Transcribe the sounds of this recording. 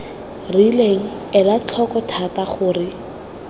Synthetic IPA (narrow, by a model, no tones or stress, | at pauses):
rileŋ̩ | ɛlat͡ɬʰɔkɔtʰataχʊːrɪ